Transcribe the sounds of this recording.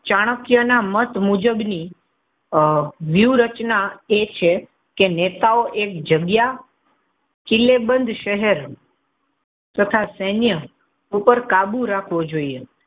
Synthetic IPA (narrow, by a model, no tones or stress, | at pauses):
t͡ʃaɽ̃əkjənamət̪mud͡ʒəbni | ʋjuɾət͡ʃnaet͡ʃʰe | kenet̪aoʔek̚d͡ʒəɡja | kilebənd̪ʱʃəɦɛɾ | t̪ət̪ʰasənjə | upəɾkabuɾakʰʋod͡ʒoie